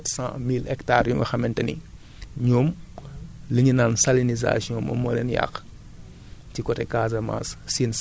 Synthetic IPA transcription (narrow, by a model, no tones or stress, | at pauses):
ɛtsã̰ːmilɛktaːrjumɐ̰xɐmɛntɐnḭ | ɲɔm | lɐɲunaːnsaliniza̰sjɔ̃mɐ̰mɔlɛnja̰x | tikɔtɛkaːzɐma̰ssiːn